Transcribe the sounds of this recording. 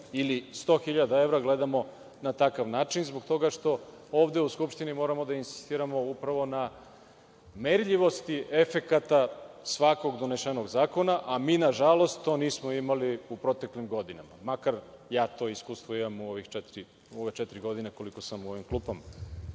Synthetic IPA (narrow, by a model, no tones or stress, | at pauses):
ilist̪o̞ːxiʎad̪ae̞ʋɾaɡle̞d̪amo̞ | nat̪akaʋnaːt͡ʃinzboɡt̪o̞ɡaʂt̪o̞ | oːʋd̪e̞uskupʃt̪inimo̞ɾamo̞d̪ainsi̥st̪iːɾamo̞upɾaʋo̞na | meɾʎiʋo̞st̪iʔe̞fe̞kat̪asʋako̞ɡd̪oneʃeno̞ɡzaːko̞naʔamiːnaʒalo̞st̪t̪ːo̞ːniːsmo̞imaliupɾo̞t̪eklimɡo̞d̪inamamakaɾ | jaːt̪o̞ːiskuːst̪ʋoimamuo̞ʋixt͡ʃet̪ɾi | uo̞ʋet͡ʃɛt̪ɾiɡo̞d̪ineko̞liko̞samuo̞ʋimklˠuːpama